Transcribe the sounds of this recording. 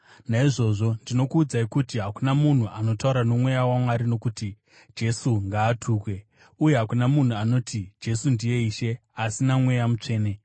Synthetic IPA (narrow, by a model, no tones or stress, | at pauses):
naiʐo̞ːʐo̞ndino̞kuːd͡zaikutiɦakunamun̤uano̞tauɾano̞mwe̞jawamwaɾino̞kuti | d͡ʒe̞suŋɡaːtʰuːkwe̞ | uje̞ɦakunamun̤uano̞ːtid͡ʒe̞sundije̞iːʃe̞asinamwe̞jamut͡ʂe̞ːne̞